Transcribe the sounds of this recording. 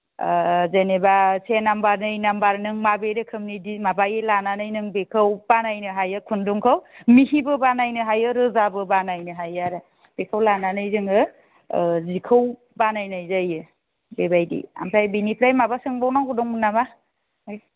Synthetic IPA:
zenebasʰenambaɾnɯjnambaɾnɯŋmabeɾɯkʰɯmnidimabajelananɯjnɯŋbekʰɯwbanajnɯɦajɯkʰunduŋkʰawmihibɯbanajnɯɦajɯɾɯzabɯbanajnɯɦajaɾɯ | b̥ekʰɯwlananɯjzɯŋɯ | zikʰɯw | banajnajzajɯ | bebajdḭa̰mpʰɾajbinipʰɾajmabasɯŋbawnaŋɡudɔŋmunːama | j

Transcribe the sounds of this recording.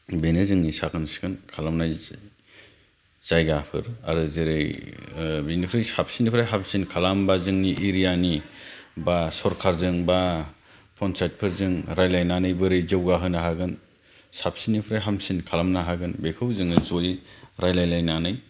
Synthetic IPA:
benɯzɯŋnisakɯnsi̥kʰɯnkʰalamnaj | z̥ajɡapʰɯ̰ɾa̰ɾɯzɯɾɯj | benipʰɾajsap̚sinipʰɯɾajɦamsinkʰalambazɯŋniʔiɾijanibasɔɾkʰaɾzɯŋba | pʰɔnsʰajt̚pʰɯɾzɯŋɾajlajnanɯjbɯɾɯjzɯwɡaɦɯnaɦaɡɯn | sap̚sinipʰɾajɦamsinkʰalamnaɦaɡɯnbekʰɯwzɯŋnɯzoiɾajlajlajnanɯj

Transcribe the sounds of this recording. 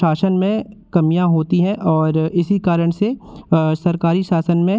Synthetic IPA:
aːsənmẽkɐmijãɦoːt̪iɦɛ̃ʔɔːɾɪsikaːɾəɽ̃sesɐɾkaːɾiʃaːsənmẽ

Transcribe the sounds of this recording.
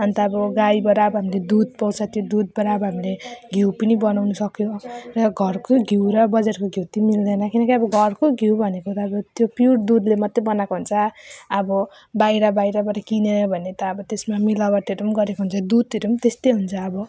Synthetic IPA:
ʌnt̪ʌːbʌɡajbʌɾaːbʌɦamiled̪ud̪̚pʌwt͡sʰʌt̪jod̪ud̪̚bʌɾaːbʌɦamileɡʱiwpʌnibʌnawnusʌkjorʌɡʱʌrkoɡʱiwɾʌbʌd͡zarkoɡʱiwt̪imild̪ʌnʌkinʌkiʌbʌɡʱʌrkoɡʱiwbʱʌnekot̪aːbʌt̪jopjuɽd̪ud̪lemʌt̪ːebʌnakoɦunt͡sʰʌʌbʌ | bajɾʌbajɾʌbʌɾʌkinenbʱʌnet̪ʌːbʌt̪esmamilabaʈeɾumɡʌɾekoɦunt͡sʰʌd̪ud̪eɾumt̪est̪ejɦunt͡sʰʌːbʌ

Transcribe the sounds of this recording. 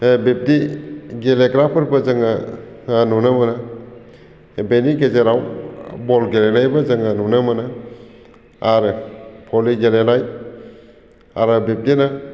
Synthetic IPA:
bep̚tiɡeleɡɾapʰɯɾbazaŋa | anunamana | beniɡezeɾawbɔlɡelenajbazaŋanunamana | aɾɯpʰɔliɡelenaj | a̰ɾɯbep̚tina

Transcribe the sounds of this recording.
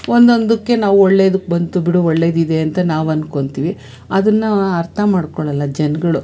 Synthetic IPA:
o̞nd̪o̞nd̪ukːe̞naːʋuɔɭːeːd̪ukːbɐnt̪ubiɽuɔɭːeːd̪id̪e̞ɐnt̪ɐnaːʋɐnːuko̞ɳɖt̪iːʋi | ɐd̪ɐnːɐɐɾt̪ʰɐmaːɽkoɭɐlːɐd͡ʒɛnɐɡɐɭu

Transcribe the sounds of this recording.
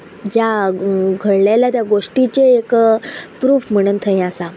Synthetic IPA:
jjaɡʱəɽleljat̪jaɡoʂʈit͡ɕeːkpɾuːfm̤əɽ̃uːnt̪ʰə̃ĩasa

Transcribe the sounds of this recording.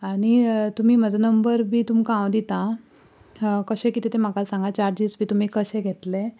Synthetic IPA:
aɽ̃it̪um̤iːməd͡zanəmbəɾbʱiːt̪umkãwd̪it̪ã | kəɕẽkit̪et̪em̤akasãŋɡat͡ɕaɾd͡ʑisbʱiːt̪um̤iːkəɕẽɡʱet̪le

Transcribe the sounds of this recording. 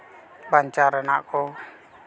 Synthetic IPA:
baɲt͡ʃaɾənaʔko

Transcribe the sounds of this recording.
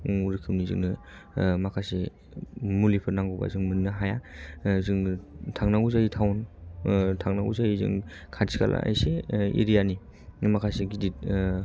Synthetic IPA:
uɾɯkʰɯmnizɯ̰ŋnɯmakʰase | mulipʰɯɾnaŋɡɯwba̰zɯŋmɯnnɯɦajazɯŋtʰaŋnauzajitʰawn | tʰaŋnaṵzajizɯ̰ŋ | kʰadsʰi̥kʰa̰lʔa̰a̰jseḛɾijani | makʰaseɡidit̚

